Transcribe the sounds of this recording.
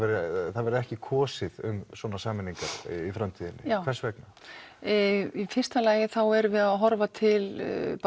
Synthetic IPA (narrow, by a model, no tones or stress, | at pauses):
vɛɾθaðvɛɾɛhcɪkʰɔːsɪðʏmswɔːnasaːmɪniŋkaɾ̥ifɾamt̪ʰiːðɪnːɪ̰aːvɛsvɛk̚na | ifɪr̥st̪alaːjɪθawɛɾvɪðaðɦɔɾvat̪ʰɪlp